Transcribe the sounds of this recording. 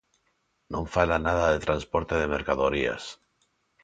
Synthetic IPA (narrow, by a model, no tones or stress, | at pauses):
nõɱfalanaðaðet̪ɾanspoɾt̪eðemeɾkaðoɾia̰s